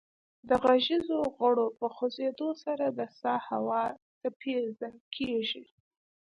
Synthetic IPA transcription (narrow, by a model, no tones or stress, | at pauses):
d̪əɣaʒizoɣəɽopəxozed̪osaɾad̪əsɑhawɑt̪əpʰezakʰeʒi